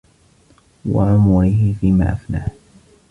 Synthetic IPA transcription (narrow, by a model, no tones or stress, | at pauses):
waʕʊmʊɾihɪfiːma̰ːʔafnaːh